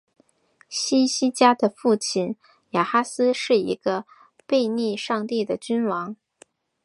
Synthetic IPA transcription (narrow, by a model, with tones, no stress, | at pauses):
ɕi˥ɕi˥t͡ɕja˥d̪ə˨fu˥˩t͡ɕʰi˨˩n | ja˨˩xa˥sɹ̩˥ʂɻ̩˥˩ḭ˧˥ɡ̥ə˧ | pe˥˧ɪni˥˧ʂɑ˥˧ŋt̪i˥˩d̪ə˩t͡ɕy˥nwɑ˧˥ŋ